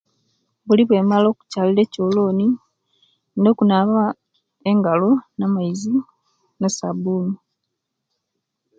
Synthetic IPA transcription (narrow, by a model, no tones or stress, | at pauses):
βuliβwe̞ːmalo̞ːku̥caːliɾe̞co̞ːlo̞ːni | no̞ːkunaːβa | eŋɡalonamajizi | nesa̰buːni